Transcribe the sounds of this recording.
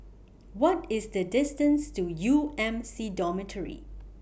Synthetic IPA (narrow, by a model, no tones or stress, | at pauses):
wɔtɪsdədɪstə̃nstujuɛ̃msidɔmətʰəɹḭ